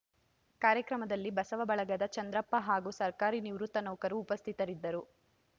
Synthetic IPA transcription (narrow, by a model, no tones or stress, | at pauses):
kaːɾjɐkɾɐmɐd̪ɐlːibɐsɐʋɐbɐɭɐɡɐd̪ɐt͡ʃɐnd̪ɾɐpːɐɦaːɡusɐɾkaːɾiniʋɾut̪ːɐnɐwkɐɾuːpɐst̪ʰit̪ɐɾid̪ːɐɾu